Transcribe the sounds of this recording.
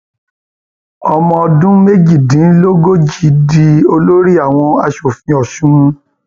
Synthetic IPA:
ɔ˧mɔ̃˧ɔ˧dũ˦me˦d͡ʒi˦˨dĩ˨˦lo˦ɡo˦d͡ʒi˨˦di˧o˧lo˦ɾi˦a˦˨w̃ɔ̃˧a˧ʃo˨fĩ˧ɔ˨ʃũ˦

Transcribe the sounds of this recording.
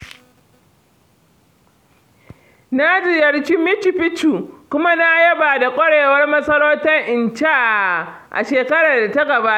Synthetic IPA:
na˦d͡ʒɪ˨jɐ˨rt͡ʃi˦mɪ˦t͡ʃi˨ɸɪ˦t͡ʃu˨kʷʊ˦ma˦na˦jɐ˦baː˨da˨kʷʼɔ˦ɽeː˨wɐ˦rmɐ˦sɐ˦ɽoː˦tɐ˦ŋʔɪ˨nt͡ʃa˦˨ʔa̰˨ʃeː˨kɐ˦ɽaː˨da˨ta˦ɡɐ˨baː˦ʔa˨

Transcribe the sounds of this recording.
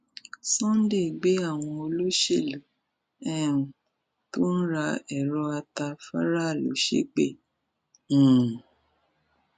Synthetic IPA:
sɔ̃˦n̩˦de˦˨ɡ͡be˨˦a˦˨w̃ɔ̃˧o˧lo˦ʃe˦˨lu˨˦ | ɛ˦˨ũ˨ | to˦n̩˦ɾa˧ɛ˨ɾɔ˧a˧ta˧fa˦ɾa˦˨lo˨˦ʃḛ˦k͡pẽ˦˨

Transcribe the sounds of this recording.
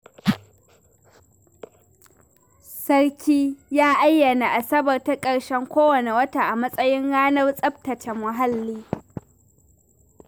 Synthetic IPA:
sɐ˦rkʲiː˦jaː˦ʔa˦jːɐ˨na˨ʔa˨sɐ˦bɐ˨rta˦kʼɐ˨ɽʃɛ˦ŋkʷoː˦wɐ˨ne˨wɐ˦ta˨ʔa˨mɐ˦sʼɐ˦jɪ˦ŋɽaː˦nɐ˦rsʼɐ˦b̚tɐ˨t͡ʃɛ˨mʊ˨ɦa˦lːiː˦

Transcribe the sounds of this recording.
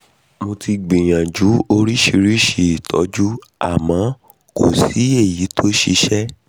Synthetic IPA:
mo˧ti˧ɡ͡bĩ˨j̃ã˨d͡ʒu˨˦o˧ɾi˦ʃi˧ɾi˦ʃi˦˨tʰɔ˨˦d͡ʒu˦a̰˦˨mã˨˦ | ko̰˦˨si˨˦e˦˨ji˨˦tʰo˦ʃi˦˧˦ʃɛ˦

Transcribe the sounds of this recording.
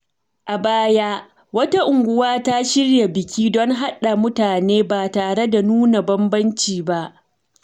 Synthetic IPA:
ʔa˨baː˦ja˦ | wɐ˦ta˦ʔʊ˨ŋɡʷʊ˦waː˦ta˦ʃɪ˦ɽja˨bɪ˨kʲiː˦dɔ˦ŋɦa˦ɗa˨mʊ˦taː˨neː˦baː˨taː˨ɽe˦da˨nuː˦na˨bɐ˦mbɐ˦nt͡ʃiː˨ba˦ʔ

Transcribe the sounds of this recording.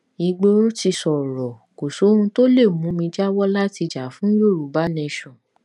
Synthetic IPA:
i˨˧ɡ͡bo˧˦o˦ti˧sɔ˨ɾɔ˨ | ko˨so˨˦ũ˧to˦le˦˨mũ˨˦mĩ˧d͡ʒa˦wɔ˦la˦ti˧d͡ʒa˨˦fũ˦jo˦˨ɾu˨˦ba˨˦nɛ̃˧ʃɔ̃˨

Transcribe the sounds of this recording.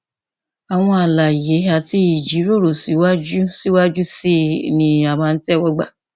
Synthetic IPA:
a˨w̃ɔ̃˧a˨la˨je˨˦a˨ti˧i˨d͡ʒi˨˦ɾo˦˨ɾo˨si˨˦wa˦d͡ʒu˦si˦wa˦d͡ʒu˦si˦nĩ˧a˨mãː˦˧n̩˦tɛ˦wɔ˧ɡ͡ba̰˨

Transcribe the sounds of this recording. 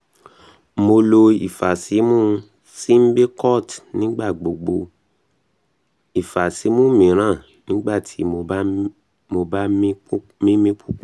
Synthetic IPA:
mo˧lo˧ḭ˨fa˨si˨˦mũ˦ | si˦m̩˦be˦kɔ˦˨tnĩ˨˦ɡ͡ba˦˨ɡ͡bo˨ɡ͡bo˧ | i˨fa˨si˨˦mũ˦mĩ˨˦ɾ̃ã˦˨ | nĩ˦ɡ͡ba˦˨tʰi˨˦mo˧˦ | mo˧ba˦m˦ | mĩ˦mĩ˧˦k͡pu˦k͡p

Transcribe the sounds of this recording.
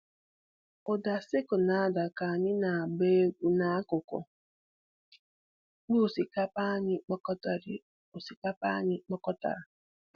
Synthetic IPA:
ʊ˨da˨sɪ˦kʊ˨na˨a˦˨da˨ka˨a˨ɲɪ˦na˨a˨be˦ɡʷu˦na˨a˦kʊ˨kʊ̰˨ | k͡pu˦˨si˨ka˦pa˦ɲɪ˦k͡pɔ˦kɔ˦ta˨ɾɪ˦ | o˨si˨ka˦pa̰˦ɲɪ˦k͡pɔ˦kɔ˦ta̰˨ɾa˨

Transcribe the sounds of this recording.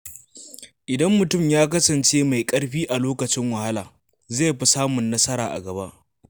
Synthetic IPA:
ʔɪ˨dɐ˦mːʊ˨tʊ˦˨mjaː˦kɐ˦sɐ˨nt͡ʃeː˦ma˨jkʼɐ˦ɽɸiː˦ʔa˨loː˦kɐ˨t͡ʃɪ˦ŋwɐ˨ha˦laː˨ | za˦˨ɸi˦saː˦mʊ˨nːɐ˦sɐ˦ɾa̰ː˨ʔa̰˨ɡɐ˨ba˦ʔ

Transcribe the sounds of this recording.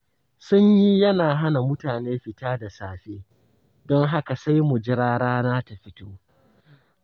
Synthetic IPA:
sʊ˦ɲji˦jɐ˦naː˨ɦa˦na˨mʊ˦taː˨neː˦ɸɪ˨taː˦da˨saː˨ɸeː˦ | dɔ˦ŋɦa˦ka˨sa˦jmʊ˨d͡ʒɪ˦ɾaː˦ɽaː˦naː˦ta˨ɸɪ˦toː˦

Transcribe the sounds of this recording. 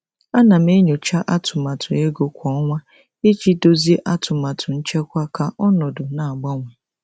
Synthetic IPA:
a˦na˨m̩˦e˦ɲo˨t͡ʃa˦ʔa˦tʰʊ˨ma˨tʰʊ˨e˦ɡo˦kʷɔ˦ŋʷa˦ | e˦t͡ʃi˦do˦zi˦e˦ʔa˦tʊ˨ma˨tʰʊ˨n̩˦t͡ʃe˦kʷa˦ka˦ʔɔ˦nɔ˨dʊ˨na˨a˨ɡ͡ba˦ŋʷe˨

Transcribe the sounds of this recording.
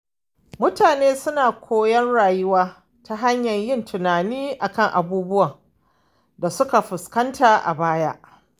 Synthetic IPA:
mʊ˦taː˨neː˦sʊ˦naː˨kʷʰoː˦jɐ˦nɽaː˨jʊ˦waː˦ | ta˨ɦa˦ɲjɐ˨ɲjɪ˦˨ntʊ˨naː˨niː˦ʔa˨kɐ˦˨ŋʔa˨buː˦bʊ˦wɐ˨ŋ | da˨sʊ˦ka˨ɸʊ˨skɐ˦ntaː˨ʔa̰˨baː˦ja˦ʔ

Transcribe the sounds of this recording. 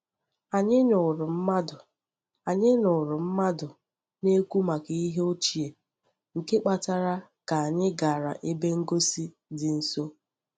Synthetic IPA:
a˨ɲɪ˦nʊ˨ɾʊ˨m̩˦ma˦dʊ˨ | a˨ɲɪ˦nʊ˨ɾʊ˨m̩˦ma˦dʊ˨ | ne˦kʷu˦ma˨ki˨i˦ɦe˦o˦t͡ʃi˨e˨ | ŋ̩˨ke˦k͡pa˨ta˦ɾa˦ka˨a˨ɲɪ˦ɡa˨ɾa̰˨ʔe˦be˦ŋ̩˦ɡo˦si˦ | dɪ˨n̩˨so˦

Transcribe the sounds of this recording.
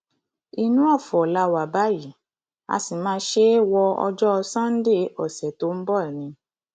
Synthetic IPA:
i˧nũ˦ɔ˦˨fɔ˨la˧wa˨ba˨˦ji˨˦˨ | a̰˧si˨mãː˧˦˧ʃe˦wɔ˧ɔ̰˧d͡ʒɔ˦˧sã˦n̩˦de˦ɔ˨sɛ˨to˨˦m̩˦bɔ˦ɛ˨nĩ˧

